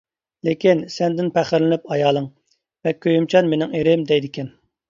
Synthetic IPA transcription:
lekʲinsɛnd̪ɪnpʰɛχɪɾlɪnɪpɑjɑːlˠɨŋ | vɛkʲʰøjymt͡ʃʰɑnmenɪŋeɾɪmd̪ɛjd̪ɪkʲɛn

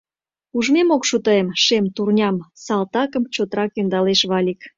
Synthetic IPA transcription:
uʒmemokʃut̪əemʃemt̪urnʲɑmsɑlt̪ɑkəmt͡ɕot̪əɾɑkend̪ɑleʃβɑlʲik

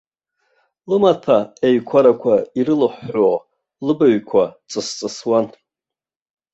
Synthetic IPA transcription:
lɨmatʰaeɥkʷʰaɾakʷʰaiɾɨlɨħʷːo | lɨbaɥkʷʰat͡sʼɨst͡sʼɨswan

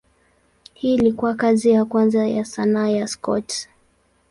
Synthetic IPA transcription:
hiːlikuakazijakwanzajasanaːjaskɔ̰t

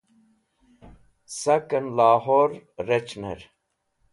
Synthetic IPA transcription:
sɐkənlaːɦoːɾːet͡ʃnḛɾ

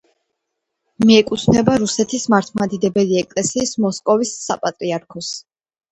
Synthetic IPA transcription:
miɛkʼut̪sʰnɛbaɾusɛt̪ʰismaɾt̪ʰmad̪id̪ɛbɛliɛkʼlɛsiːsmɔskʼɔvisːapʼat̪ʼɾiaɾkʰɔs

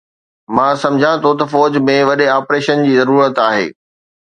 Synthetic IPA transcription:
mãːsɐ̃md͡ʑʱãt̪ʰot̪ɐfɔːd͡ʑmẽʋɐɗeaːpɾeːʃənd͡ʑiːzɐɾuːɾət̪aːɦḛː

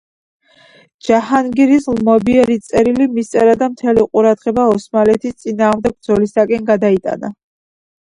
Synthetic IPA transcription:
d͡ʒahanɡiɾislmɔbiɛɾit̪sʼɛɾilimist̪sʼɛɾad̪amt̪ʰɛliqʼuɾad̪ʁɛbaɔsmalɛt̪ʰist̪sʼinaːʁmd̪ɛɡ̚bd̪zɔlisakʼɛnɡad̪ait̪ʼa̰na

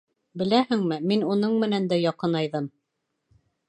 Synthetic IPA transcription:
bɘ̆læhɘ̆ŋmɘminunɤɴmɘ̆nænd̪æjɑqɤnɑjðɤm

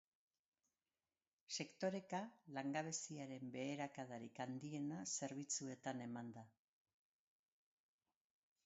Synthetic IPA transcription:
se̞kt̪o̞ɾe̞kalaŋɡaβe̞siaɾe̞mbe̞ːɾakað̞aɾikand̪ie̞nase̞ɾβ̞it͡sue̞t̪ane̞mand̪a

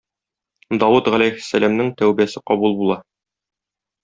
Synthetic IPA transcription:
d̪ɒwut̪ʁælæjhɘ̥̆sːælæmnɘŋt̪æwbiæsɘqɒbulˠbulˠɑ

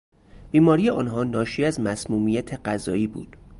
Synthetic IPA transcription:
b̥iːmɒːɾiːjeʔɒːnɦɒːnɒːʃiːæzmæsmuːmijæt̪ʰe̞ɢæzɒ̰ːiːbṵːd̪̥

